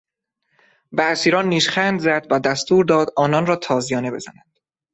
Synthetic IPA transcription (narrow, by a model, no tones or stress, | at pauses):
bæsiːɾɒːnːiːʃχænd̪zæd̪væd̪æst̪uːɾd̪ɒːd̪ɒːnɒnɾɒːt̪ʰɒːzijɒːne̞be̞z̥ænænd̪̥